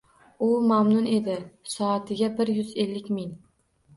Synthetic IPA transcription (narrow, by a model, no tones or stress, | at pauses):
ʊmamnʊne̞d̪ɪsɒat̪ʰɪɡʲabɪɾjʊze̞lːɪkʲmɪŋ